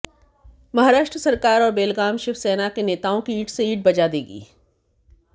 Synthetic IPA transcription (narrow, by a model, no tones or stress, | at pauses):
mɐɦaːɾaːʃʈɾəsɐɾkaːɾɔːɾbeːlɡaːmʃɪfsɛːnakeneːt̪aːõkiiːʈseiːʈ̚bɐd͡ʒad̪eːɡḭː